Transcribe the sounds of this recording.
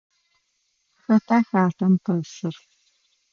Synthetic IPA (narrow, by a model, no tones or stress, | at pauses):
xɐtʰaːxaːtɐmqɐsɨr